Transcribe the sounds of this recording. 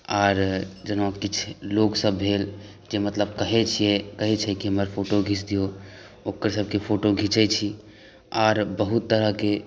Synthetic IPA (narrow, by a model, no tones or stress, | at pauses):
aːɾd͡ʒənakit͡ʃʰloksəbɦel | d͡ʒemət̪ləb̚kəɦɛt͡ʃʰijɛkəɦɛt͡ʃʰɛkiɦəməɾpʰoʈoɡʱit͡ʃʰd̪ijo | okəɾsəb̚ʱkepʰoʈoɡʱit͡ʃɛt͡ʃʰi | aːɾbəɦut̪ːəɾəɦke